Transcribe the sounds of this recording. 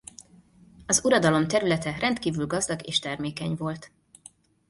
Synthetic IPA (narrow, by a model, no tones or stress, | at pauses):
ɒzuɾɒd̪ɒlo̞mt̪ɛɾylɛt̪ɛrɛnt̪kiːvylɡɒzd̪ɒɡeːʃt̪ɛrmeːkɛɲvo̞lt̪